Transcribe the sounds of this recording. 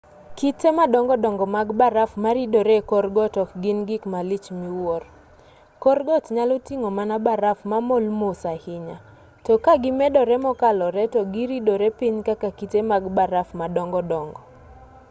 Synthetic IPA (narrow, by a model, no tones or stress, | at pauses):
kitemadɔŋɡɔdɔŋɡɔmaɡbaɾafmaɾidoɾekɔrɡɔtɔkɡɪnɡɪkmalɪt͡ʃmiwɔr | kɔɾɡɔtɲalɔtiŋomanabaɾafmamolmosahɪɲa | tɔkaɡɪmɛdɔɾɛmɔkalɔɾɛtɔɡiɾidoɾɛpiɲkakakitemaɡbaɾafmadɔŋɡɔdɔŋɡɔ